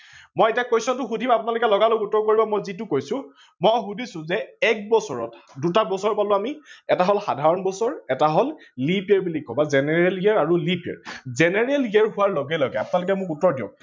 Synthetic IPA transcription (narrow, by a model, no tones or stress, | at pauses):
mɔjɛtijakojsɔntʊxudʱimapʊnalʊkɛlɔɡaloutːɔɹkoɹibamɔjzit̬ʊkojsʊ̃ | mɔjɦudʱisʊ̃zɛɛk̚bɔsɔ̰ɹɔ̰tdutabɔsɔɹpalʊ̃amiɛtaɦɔlxa̰dʱaɹɔnbɔsɔɹɛtaɦɔllipiɛɹbilikːɔbazɛnɛɹɛlɡiɛɹaɹulipiɛ̰ɹzɛnɛɹɛlɡiɛɹɦʊwaɹloɡɛlɔɡɛ̰a̰pʊnalʊk̬ɛmʊkutːɔɹdijɔ̰̃